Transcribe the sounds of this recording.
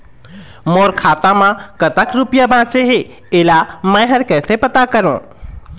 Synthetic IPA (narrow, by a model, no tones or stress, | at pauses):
moːɾkʰaːt̪ãmãkət̪əkɾupjabʱãːt͡ʃeɦe | eːlamə̃ːɦəɾkɛːsepət̪akəɾõ̰ː